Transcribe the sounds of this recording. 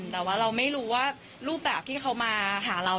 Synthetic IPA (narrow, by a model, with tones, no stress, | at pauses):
t̪ɛː˨˩waː˥˩ɾa˧wma˥˩jɾuː˦˥waː˥˩ | ɾuː˥˩p̚bɛː˨˩p̚t̪ʰiː˥˩xʰa˦˥wmaː˧ɦaː˩˦ɾa˧